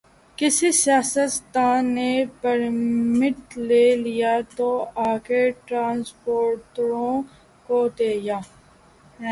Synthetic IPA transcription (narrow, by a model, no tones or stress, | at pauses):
kɪsisɪjaːsət̪t̪aːnːepɐɾmɪʈ̪leːlijat̪oaːkeʈɾãːnspoːɾʈɾõ | kod̪eːjaː